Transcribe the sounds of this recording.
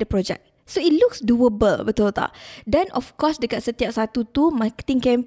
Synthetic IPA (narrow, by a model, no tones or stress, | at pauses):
dəpɾɔd͡ʒɛ̰k̚ | soit̚luksduəbəlbət̪ɔlt̪a̰dɛ̃nʔɔ̰fkɔsdəkat̪̚sət̪iap̚sat̪ut̪umakə̥t̪ĩŋkɛ̃m